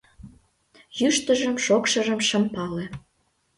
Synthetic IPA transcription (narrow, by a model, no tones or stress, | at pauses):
jyʃt̪əʒəmʃokʃəʒəmʃə̆mpɑle